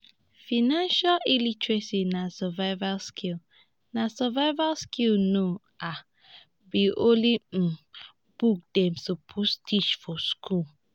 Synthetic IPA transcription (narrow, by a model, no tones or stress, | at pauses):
finãnʃalilitɹesinasɔvavalskʰil | nasɔvaɪvalskilno | a | biʔolim̩ | b̥uk̚demsopʰustʰit͡ʃfɔskʰul